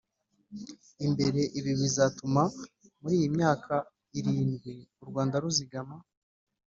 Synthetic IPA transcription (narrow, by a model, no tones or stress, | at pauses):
imbe̞ɾe̞ʔiβioβizatumamuɾiːjimɲaːkʰa | iɾiːnɡwiuɾɡwaːndaɾuziɡama